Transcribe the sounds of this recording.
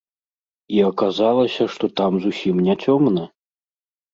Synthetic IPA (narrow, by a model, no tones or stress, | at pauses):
iɐkazalˠɐsʲɐʂt̪ɔt̪amzusʲimnʲat͡sʲɔmnɐ